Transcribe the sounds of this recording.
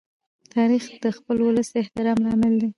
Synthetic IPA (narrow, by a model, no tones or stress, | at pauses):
t̪ɑɾixd̪̥əxpəlwʊləsɪht̪ɪɾɑmlɑmɪld̪e